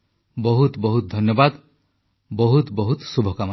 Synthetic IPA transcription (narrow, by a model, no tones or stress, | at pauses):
bɔɦut̪bɔɦut̪d̪ʱɔnjɔbad̪ | bɔɦut̪bɔɦut̪subʱɔkam